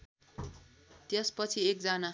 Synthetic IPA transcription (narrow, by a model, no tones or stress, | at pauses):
t̪jʌspʌt͡sʰiek̚d͡zana